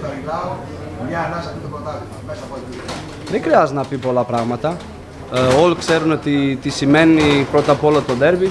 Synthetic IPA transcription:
ɐmilɐo | mɲɐnɐsɐt̪it̪opot̪ɐliɐmesɐpot̪i | ðexɾiɐznɐpipo̞lɐpɾɐɣmɐt̪ɐ | olikseɾunot̪it̪isime̞nipɾo̞t̪ɐpoo̞lɐt̪o̞ðe̞ɾbi

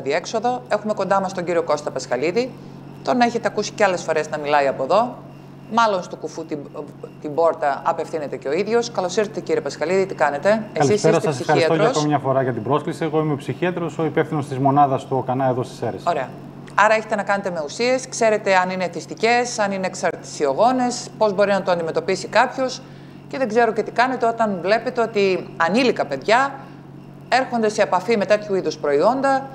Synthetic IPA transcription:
ɐðie̞kso̞ðoe̞xume̞ko̞nd̪ɐmɐst̪o̞ɲɟiɾio̞ko̞st̪ɐpɐskɐliði | t̪o̞nɐe̞çe̞t̪e̞ɐkusi̥ceɐle̞sfo̞ɾe̞znɐmilɐiɐpo̞ðo̞ | mɐlo̞nst̪okufut̪i | t̪ibo̞ɾt̪ɐɐpe̞fθine̞t̪e̞ceo̞iðʝo̞skɐlosiɾθet̪eciɾiepɐskɐliðit̪ikɐne̞t̪e̞eɐliiseɾɐseɐsesiɐɾsiɐttoʝɾɐkomemɲɐfo̞ɾɐʝɐt̪ibɾo̞sklisieɣo̞imepsiçiɐt̪ɾo̞so̞ipefθinost̪izmo̞nɐðɐst̪ukɐnɐeðo̞st̪i̥seɾesoɾe̞ɐ | ɐɾɐeçe̞t̪e̞nɐkɐne̞t̪eme̞usie̞skse̞ɾe̞t̪e̞ɐnine̞θist̪ice̞sɐnineːksɐɾt̪i̥sio̞ɣo̞ne̞spo̞zbo̞ɾinɐt̪oɐnd̪ime̞t̪o̞pisikɐpços | ce̞ðeɡze̞ɾoce̞t̪i̥kɐne̞t̪e̞o̞t̪ɐnvle̞pet̪eo̞t̪iɐnilikɐpe̞ðʝɐ | e̞ɾxond̪e̞se̞ːpɐfime̞t̪e̞t̪ʰçuiðuspɾo̞io̞nd̪ɐ

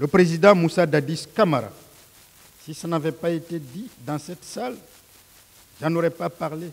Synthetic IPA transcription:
ləpχezid̪ɑ̃musad̪ad̪iskamaɾa̰ | sisənavɛpaet̪ed̪id̪ɑ̃sɛt̪sal | ʒ̥ãnoʁɛpapaʁle

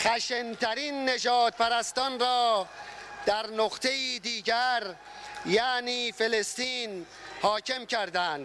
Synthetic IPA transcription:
χæʃent̪ʰæɾinːe̞d͡ʒɒːt̪̚pʰæɾæst̪ɒːnɾɒː | d̪̥æɾnoqt̪ʰe̞jiːd̪iːɟæɾ | jæːniːfe̞lest̪iːn | hɒːcʰe̞mcʰæɾd̪ænd̪

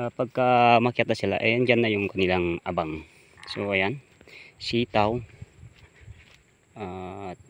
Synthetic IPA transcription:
paɡ̚kamɐkjat̪asɪla̰ʔɐ̰jand͡ʒanːajʊŋkɐnɪlaŋʔabaŋ | soʔɐjan | siːt̪aw | at̪̚

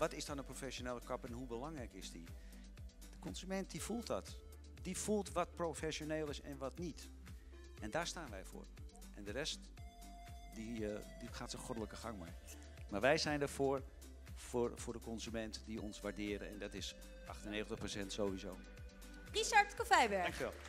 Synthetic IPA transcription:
ʋɑtɪsdɔnəprofɛʃoneːləkɑpɛnɦubəlɑŋrɛjkɪsdi | d̥əkɔnzymɛnt̚divulˠtdɔt | d̥iv̥ulˠtʋɑt̚profɛsjoneːlˠɪsɛ̰nʋɑtnit | ʔɛndaːɹstaːnʋɛjvʊ̰ːr | ʔɛndərɛst | didiχaːtsəxɔdələkəχɑŋmɛ̰j | maːɹʋɛjzɛjndəvʊːr | frfʊːɹdəkɔnzymɛntdiɔnsʋaɹdɪːɾə̰nɛ̰ndɔtɪs | ʔɑχtənːejχəntəχprosɛntsowʋizo̰w | riʃaɹtkofɛjbɛɹŋkɛlˠ

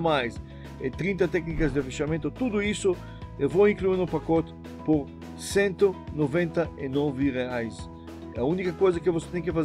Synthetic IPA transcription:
majs | ɛt̪ɾĩnt̪ɐt̪ɛknikɐzd̪ɪafiʃamẽnt̪ʊt̪ud̪ʊisʊ | ewvowĩŋkluiɾnʊpakɔt̪ɪ̥ | poɾ | sẽnt̪ʊnovẽnt̪ɐɪnɔvɪʁeajs | ɐunikɐkojzɐkɪvose̥t̪ɛ̃j̃kɪfaz

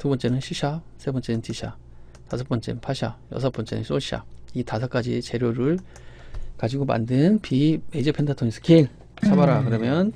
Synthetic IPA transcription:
tubʌnt͡ɕ͈e̞nɯnɕʰiɕʰasʰe̞bʌnt͡ɕ͈e̞nɯntʰiɕʰa̰ | tasʰʌp͈ʌnt͡ɕ͈e̞nɯnpʰaɕʰa̰jʌ̰sʰʌp͈ʌnt͡ɕ͈e̞nɯ̰nɕs͈oɕʰia̰itasʰʌk͈ad͡ʑḭt͡ɕe̞ɾjoɾɯɭ | kad͡ʑiɡoma̰ndɯnpimed͡ʑʌpʰendʰatʰonis͈ʰɯ̥keɭ | sʰabaɾakɯɾʌmjʌn

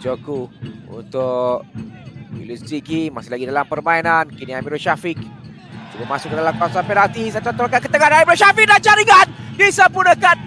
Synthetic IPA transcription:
d͡ʒokuṵnt̪ʊk | ḭldust̪ɾikimasɪlaɡidalampərmainankiniamiɾoʃafik̚ | d͡ʒubamasʊk̚ːədalapasampɛnat̪isat̪awt̪oɾakat̚kət̪əŋanamiɾoʃafik̚dant͡ʃaɾiŋandisəmpunəkan

